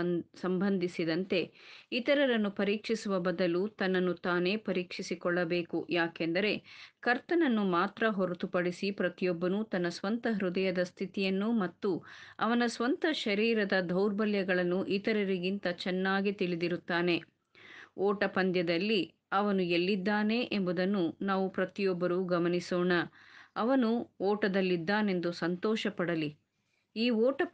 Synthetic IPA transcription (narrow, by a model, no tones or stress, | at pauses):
sɐmbʱɐnd̪ʱisid̪ɐnt̪e̞it̪ɐɾɐɾɐnːupɐɾiːkʂisuʋɐbɐd̪ɐlut̪ɐnːɐnːut̪aːne̞ːpɐɾiːkʂisikɔɭːɐbeːkujaːkɛnd̪ɐɾe̞kɐɾt̪ɐnɐnːumaːt̪ɾɐɦɔɾɐt̪upɐɽisipɾɐt̪ijɔbːɐnut̪ɐnːɐsʋɐnt̪ɐɦɾud̪ɐjɐd̪ɐst̪ʰit̪ijɐnːumɐt̪ːuɐ̰ʋɐnɐsʋɐnt̪ɐʃɐɾiːɾɐd̪ɐd̪ʱɐwɾbɐljɐɡɐɭɐnːuʔit̪ɐɾɐɾiɡint̪ɐt͡ʃɛnːaːɡit̪iɭid̪iɾut̪ːaːne̞ | ɔːʈɐpɐnd̪jɐd̪ɐlːi | ɐʋɐnuelːid̪ːaːne̞ʔembud̪ɐnːunaːʋupɾɐt̪ijɔbːɐɾuɡɐmɐnisoːɳɐɐʋɐnuɔːʈɐd̪ɐlːid̪ːaːne̞nd̪usɐnt̪ɔːʃɐpɐɽɐli | iːɔːʈɐ